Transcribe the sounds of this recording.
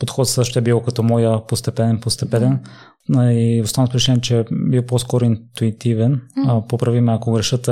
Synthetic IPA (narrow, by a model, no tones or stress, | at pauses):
pot̪xɔt̪sɤʃt̪t̪ɛbiwkɐt̪ɔmɔjəpost̪ɛpɛnɛnpost̪ɛpɛnɛn | iʊst̪anəpʊɾt͡ʃʲit͡ʃ̪ɛnɛt͡ʃɛbiwposkɔɾʊint̪uit̪ivɛnpopɾɐvimɛɐkoɡɾɛʃɤt̪